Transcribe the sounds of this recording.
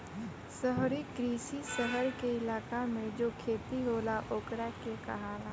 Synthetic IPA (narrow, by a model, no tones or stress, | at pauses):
səɦɾikɾiːsisəɦəɾkeɪlaːkamẽd͡ʒoːkʰeːt̪iɦoːlaʔoːkɾakekɐ̰ɦaːla